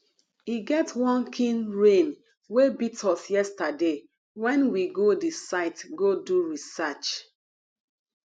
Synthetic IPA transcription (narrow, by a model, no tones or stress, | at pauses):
hiɡɛtwɔ̃nkʰĩnɹẽn | webitʰɔsjɛstade | wɛ̃nwiɡodisaɪtɡoduɹisat͡ʃ